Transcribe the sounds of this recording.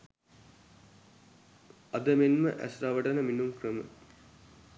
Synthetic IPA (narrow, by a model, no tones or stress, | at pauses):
ɐd̪əmenmə̰ʔæ̰sraʋɐʈɐnəminumkrəmə̰